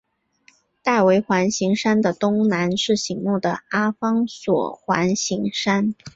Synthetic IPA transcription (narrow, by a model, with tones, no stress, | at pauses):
t̪a˥˩ɪwe˧˥ɪxwa˧˥nɕi˧˥ŋʂa˥nd̪ə˨t̪ʊ˥ŋna˧˥nʂɻ̩˥˩ɕi˧˥ŋmu˥˩d̪ə˩a˥fɑ˥ŋswɔ̰˨˩xwa̰˧˥nɕi˧˥ŋʂa˥n